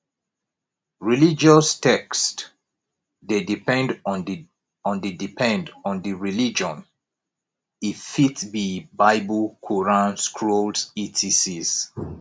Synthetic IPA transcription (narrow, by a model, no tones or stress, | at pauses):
ɹilid͡ʒɔstɛkst | dedipɛ̃nd | ɔ̃ndidipʰɛ̃ndɔ̃ndiɹilid͡ʒɔ̃n | ifitbibaɪblkʰɔɹãnskʰɹolditʰisiz